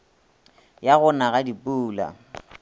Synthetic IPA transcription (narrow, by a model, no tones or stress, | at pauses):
jaɣʊnaɣadipʼuːla̰